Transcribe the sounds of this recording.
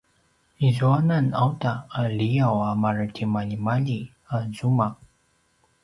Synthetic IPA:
izuananawt̪aalijawamaɾətʰimalimali | azumak̚

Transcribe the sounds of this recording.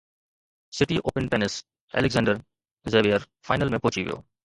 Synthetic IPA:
sɪʈiʔo̰ːpənʈɛnɪs | ɛ̰lɪɡzɛ̃ːɳɖəɾ | zeːʋijəɾ | fʰaːɪnəlmẽpoːt͡ʃiʋḭjo̰ː

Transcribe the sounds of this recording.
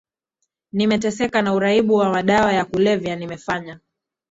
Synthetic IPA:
nimɛtɛsɛkanauɾaiɓuwamaɗawajakulɛvjanimɛfaɲa

